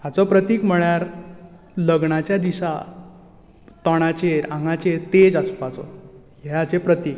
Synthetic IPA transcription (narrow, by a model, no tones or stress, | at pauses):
ɦat͡sɔpɾət̪iːkm̤əɭjaɾ | ləɡɳat͡ɕjad̪iɕa | t̪ɔɽ̃at͡ɕeɾãŋɡat͡ɕeɾt̪ed͡zaspat͡sɔ̰ | ɦat͡sepɾət̪iːk̚